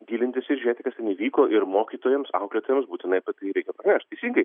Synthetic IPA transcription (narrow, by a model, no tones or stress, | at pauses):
ɡʲiːlʲɪnʲt̪ʲɪsɪɾʒʲeːt̪ʲɪkɐst̪ʲɛniːʋʲiːkoːʔɪɾmoːkʲiːt̪oːjɛmsɐ̰ʊklʲeːt̪oːjɛmsbuːt̪ʲɪnɐɪɐpʲɐt̪ɐɾʲɛɪkʲɛpɾɐnʲæːʃʲt̪̚ʲɛɪsʲiːŋɡɐɪ